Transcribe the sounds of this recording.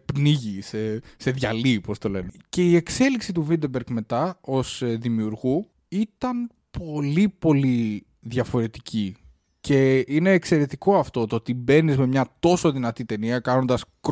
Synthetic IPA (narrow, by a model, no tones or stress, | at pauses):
pniʝisese̞ðʝɐlipo̞st̪o̞le̞nece̞iekse̞liksit̪uvind̪ebeɾɡme̞t̪ɐo̞sðimiuɾɣu | it̪ɐn | pʰo̞lipo̞li | ðʝɐfo̞ɾe̞t̪icʰi | cʰe̞ine̞ːkse̞ɾe̞t̪iko̞ɐft̪o̞t̪oot̪ibe̞nizme̞mɲɐt̪o̞so̞ðinɐt̪it̪e̞niɐkɐno̞nd̪ɐsk